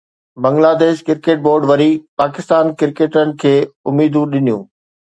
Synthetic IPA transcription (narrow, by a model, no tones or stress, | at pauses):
bɐ̃ŋɡlaːd̪eːʃkɪɾkeːʈ̚boːɾɖʋɐɾipaːkɪst̪aːnkɪɾkeːʈənɪ̆kʰeːʊmiːd̪ũɗɪnijṵ̃ː